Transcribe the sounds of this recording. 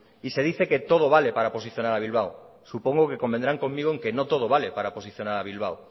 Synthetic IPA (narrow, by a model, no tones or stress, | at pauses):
ise̞ð̞iθe̞ke̞t̪oð̞oβ̞ale̞paɾapo̞s̬iθjo̞naɾaβ̞ilβ̞aw | supo̞ŋɡoke̞ko̞mbend̪ɾaŋko̞mmiɣ̞oeŋke̞no̞t̪o̞ð̞oβale̞paɾapo̞siθjo̞naɾaβ̞ilβ̞aw